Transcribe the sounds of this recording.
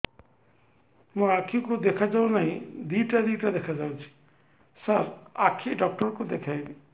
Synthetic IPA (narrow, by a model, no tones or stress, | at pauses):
mũakʰikud̪ekʰad͡ʒawnaɦĩd̪iʈad̪iʈad̪ekʰad͡ʒawt͡ʃʰi̥ | saɾakʰiɖɔk̚ʈɔɾkud̪ekʰajbi